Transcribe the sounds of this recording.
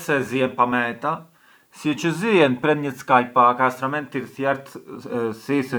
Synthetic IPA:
sɛzijɛnpamɛt̪a | siɛt͡ʃəzijɛnpɾɛnɲət͡skajpakast̪ɾamɛnt̪ːiɾθjɛɾt̪sisə

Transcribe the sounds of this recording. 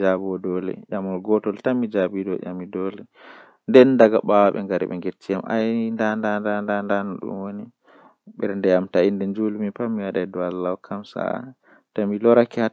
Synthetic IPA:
d͡ʒabɔdɔlɛ̰jamɔlɡɔtɔltamid͡ʒabidɔʔa̰midɔlɛ | ndɛndaɡaɓawaɓɛ̰ŋɡaɾḭɓɛ̰ŋɡetːijamʔa̰jndandandandandanɔɗṵmwoni | ɓɛɾndɛjamtaindɛnd͡ʒulmipamːiwaɗajdɔalːawkʰamsa̰a̰ | tamilɔɾakɛha

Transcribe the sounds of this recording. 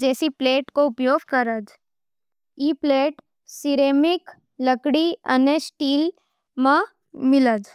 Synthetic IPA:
d͡ʒɛːsipleːʈkoʊpjoːɡkəɾəd͡ʒ | iːpleːʈ | sɪɾeːmɪk | lɐkɽiɐ̰nesʈiːl | mã | mɪləd͡ʒ

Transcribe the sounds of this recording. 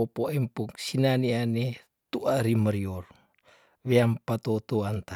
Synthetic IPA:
opoɛmpuk̚sinaniane | t̪uʔaɾiməɾior | βeampat̪ot̪oant̪a

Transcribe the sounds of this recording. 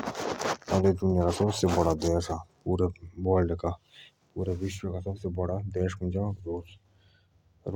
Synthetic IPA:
ɐd̪ed͡ʒ̪ʊnjakasɐbsebɐɽad̪ɛːʃapuːɾebɔːlɖeka | puːɾeʋɪʃwəkasɐbsebɐɽad̪ɛːʃkʊnd͡ʒaɾoːs | ɾ

